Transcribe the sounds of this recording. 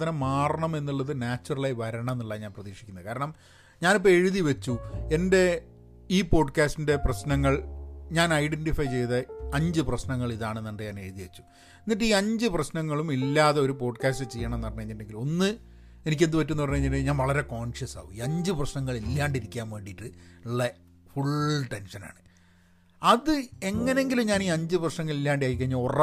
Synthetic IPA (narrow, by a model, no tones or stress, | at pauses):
t̪ɐnɐmːaːrɐɳɐme̞nːiɭːɐðɨnaːt͡ɕːurɐɭajʋɐɾɐɳɐmenːuɭːaːɲaːnprɐðiːkʂi̥kʲːunːɐðɨkaːɾɐɳɐm | ɲaːnip̬ːoeɻuðiʋɐt͡ɕːue̞nde̞ | iːpo̞ːɖkaːstinde̞prɐɕnɐŋːɐɭɲaːnɐjɖenʈifɐjt͡ɕe̞jðɐɐɲd͡ʑɨprɐɕnɐŋːɐɭiðaːɳɨenɐɳɖɨɲaːne̞ɻuðiʋɐt͡ɕːu̥ | enːiʈːɨiːɐɲd͡ʑɨprɐɕnɐŋːɐɭumilːaːðeoɾupo̞ːɖkaːstɨt͡ɕejːɐɳɐmenːɐrɐnːueɲːinde̞ŋɡilo̞nːɨ | e̞nik̬ʲːend̪upɐt̬ːunːupɐrɲeɲilɨɲaːnʋɐɭɐɾe̞ko̞ːɳʂɐsa̰ːʋumiːɐɲd͡ʑɨprɐɕnɐŋːɐɭilːaːɳɖiɾikʲːaːmʋe̞ːɳɖijiʈːɨiɭːɐ | fuɭʈe̞nʂɐna̰ːɳɨ | ɐðɨe̞ŋːɐne̞ŋɡilumɲaːniːɐɲd͡ʑɨprɐɕnɐŋːɐɭilːaːɳɖejaːjik̬ʲːɐɲːaor